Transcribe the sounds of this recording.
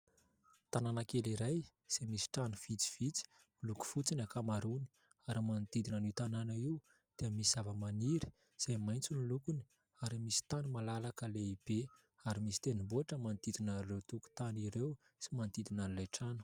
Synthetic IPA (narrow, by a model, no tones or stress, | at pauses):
t̪ananakeliɾaj | z̥emisi̥ʈ͡ʂanuv̥it͡si̥v̥it͡si̥ | miluku̥fut͡sinakamaɾuni̥ | aɾimand̪id̪inanit̪ananaiw | d̪̥eəmisizavəmaniɾi̥ | z̥emajnt͡sunilukuni | aɾimisi̥t̪animalalakəleib̥e | aɾimisi̥t̪enimbuaʈ͡ʂəmant̪id̪inarewt̪uku̥t̪aniɾew | simant̪id̪inanlajʈ͡ʂanu̥